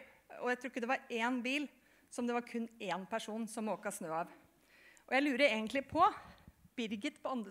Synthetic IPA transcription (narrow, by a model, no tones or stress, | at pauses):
ɔ̰jæɪt̪ʰɾʊɪkːəd̪ɛʋɑɾenbiːl | sɔmd̪ɛʋɑɾkʰʉnːeːnpʰæʂuːnsɔmoːkɑsnøːɑʋ | ʔɔjæɪlʉːɾəɾeːɡənt̪lɪpʰɔb̥ɪɾɡɪt̪pʰɔɑnd̪ɾə